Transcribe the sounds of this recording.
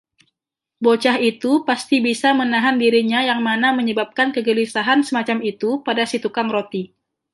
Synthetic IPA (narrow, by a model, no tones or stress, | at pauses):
bot͡ʃahit̪upast̪ibisamənaɦandiɾiɲajaŋmanaməɲəbap̚kankəɡəlisaɦansəmat͡ʃamit̪upadasit̪ukaŋɾot̪i